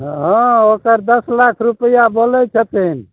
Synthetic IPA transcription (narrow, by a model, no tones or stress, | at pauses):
ɦə̃okəɾd̪əslakʰɾupəjabolɛt͡ʃʰət̪in